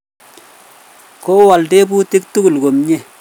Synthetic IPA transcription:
ko˦wa˨lde˦bu˦ti˦k̚tu˦ku˨lko˨mɲe˦˨

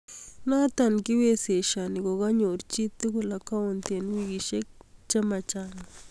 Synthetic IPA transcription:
na˦t̪a˧˨nki˦we˦se˨ʃa˨ni˨ɡo˨ɣa˦ɲu˨ɾt͡ʃi˦t̪i˦ɡu˦la˨ka˦wu˦nt̪e˨nwi˧ɡi˨ʃe˦k̚t͡ʃa˦ma˧t͡ʃa˨na˨

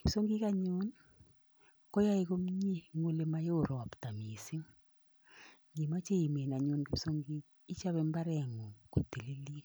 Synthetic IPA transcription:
ke˨so˦ŋɡi˦ka˦ɲo˦n | kɔ˦ja˦e˦ɣo˦m˦ɲi˦ŋo˦le˨ma˦jo˦˨ɾɔ˨a˨pta˨mi˨si˦ŋ | ŋɡi˨ma˦t͡ʃe˦i˨me˨na˨ɲo˨nɡe˨so˦ŋɡiː˦ | t͡ʃa˦βɛ˦mba˦ɾɛ˦˨ŋo˨ko˨te˨le˦li˦e˦

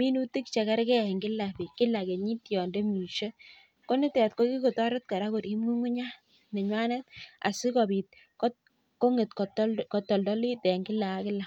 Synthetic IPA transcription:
mi˦nu˦ti˦kt͡ʃɛ˨kɛ˦ɾkɛ˦˨ŋɡɪ˦la˨pi˨kːɪ˦la˨ke˨ɲi˦tjɔ˨nde˦mi˨ʃe˦ | ko˦ni˦tɛ˨t̚ko˦ki˦ko˨tɔ˦ɾɔ˦t̚ka˨ɾa˦kʊ˨ɾi˦mu˦ŋu˦ɲa˦ | ne˨ɲwa˦ne˦ta̰˨sɪ˦ko˨bi˨t̚ | kɔ˦ | ko˦ŋe˨tko˨tkɔ˨tɔ˨ldɔ˦li˦te˨ŋɡɪ˦la˨˦kɪ˦lːa˨

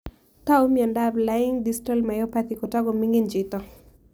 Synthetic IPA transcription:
t̪a˦o˦miɛ˨nda˦bla˦ɪ˦ŋdi˦sta˦lma˨jɔ˦pa˦t̪i˨kɔ˨ta˦ɡɔ˨mi˦ŋɡi˦nd͡ʒɪt̪ɔ˦

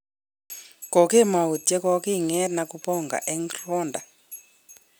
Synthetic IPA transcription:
kɔ˨ke˦˨ma˨u˨tɛ˦kɔ˦ki˦ŋɛ˦na˨ku˦pɔ˦˨ŋɡa̰˨ʔɛ˦ŋɡrɔ˦nda̰˨

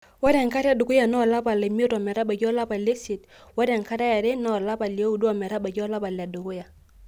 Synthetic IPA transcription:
wa˦ɾɛ˨ŋka˦ɾa˦du˨ku˦ja˨nɔ˦˨la˦pa˨lɛ˨mi˦o˦ta˨mɛ˨ɾa˦ba˨ɟɔ˦la˦pa˨le˦si˨t | wa˦ɾɛ˨ŋka˦ɾa˦ja˨ɾɛ˦nɔ˦˨la˦pa˨li˨o˦u˨da˨mɛ˨ɾa˦ba˨d͡ʒɔ˦la˦ba˨la˨du˨ku˦ja˨

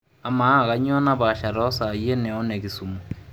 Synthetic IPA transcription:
a˨ma˨˦˨ɣa˨˦ɲ˦ɔ˦na˦βa˨ʃa˨ɾɔ˦sa˨je˦nɛ˨ɔ˦nɛ˨ki˨su˨mo˨

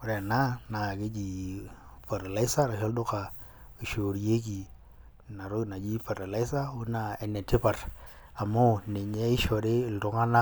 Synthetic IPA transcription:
ʊ˨ɾɛ˨na˦na˨kɪ˦d͡ʒi˨ | fa˨ɾa˨la˦ɪ˦sa˦ɾa˨ʃɔ˦ldʊ˦ka˨ | i˨ʃo˨ɾje˦k̬i˨ | na˨ɾʊ˦na˨d͡ʒi˦fa˨ɾa˨la˦ɪ˦sa˦ʊ˦na˨ɛ˨nɛ˨tɪ˦pa˨r | a˨mʊ˦˨nɪ˨ɲɛ˦ɪ˦ʃɔ˨ɾe˦ɪ˨ltʊ˨ŋa˦na˦

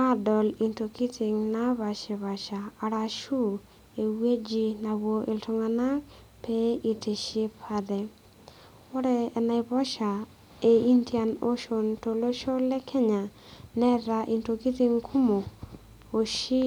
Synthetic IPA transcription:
a˦dɔ˨li˨nto˨ki˦tʰi˨ŋna˦βa˨ʃe˨βa˨ʃaː˨ɾa˨ʃu˦ | e˨we˦d͡ʒi˧na˨wo˨ʔɪ̰˨ltɔ˦ŋa˨na˦k | pe˦i˨te˨ʃe˦pʰad̪ɛ˨ | ɔ˦ɾɛː˦˨na˨ɪbɔ˦ʃa˨ | e˨i˦ntja˨no˦ʃo˨nto˨lo˦ʃo˦lɛ˦kʰɛ˦ɲa˨ | nɛ˦ɾa˨ʔi˨nto˧ki˦t̪i˦ŋkʰu˦mo˨ | o˨ʃi˦

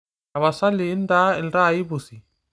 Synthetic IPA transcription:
a˨βa˨sa˦lɪ˨˦n̩˦da˦ɪ˨lɾa˦˨i˦bu˨si˨

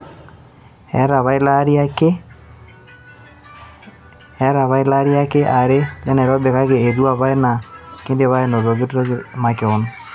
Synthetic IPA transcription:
ɛ̰˨˦ɾa˨βa˦i˦la˦ɾi˦a˦ke˦ | ɛ˦ɾa˨βa˦i˦la˦ɾi˦a˦ke˦ʔa˨ɾe˦ja˦nɛ˨ɾɔ˦be˨ɣa˦ɣe˨e˨ðu˦a˦˨βa˦e˦na˨ke˦nde˨βa˦e˨no˨ðo˨ɣe˦tuɾa˦kma˨ke˨o˨no˦

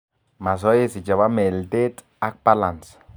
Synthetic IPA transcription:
ma˨s̬o˦je˦si˨t͡ʃa˨βa˦me˨lt̪e˦t͡s | a˦k̚palans

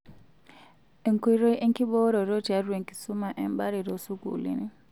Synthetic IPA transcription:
e˨ŋku˦i˦ɾo˦i˦ʔe˦ŋkʼi˦ɓɔ˦ɾɔ˨ɾo˦ti˨a˦ɾwe˨ŋkʼi̥˨su˦ma˨ʔɛ˦˨mba˦ɾi˨ɾo˨su˦kṵ˨lḭ˦ni˦

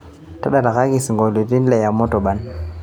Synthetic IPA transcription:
ta˦ɗa˨la˨ka˦ki˦˨si˨ŋɡo˨li˨ti˦n˦le˨ja˨mɔ˦to˨ɓa˨n

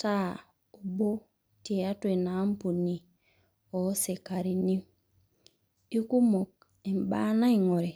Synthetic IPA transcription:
ta˦˨ | u˨bo˦ | te˨a˦twe˨na˨˦m˦pu˨ni˨ | ɔ˨˦se˨ka˨ɾi˨ni˦ | i˦ku˦mo˨k̚ | e˨m˨ba˦na˦i˨ŋo˨ɾe˨

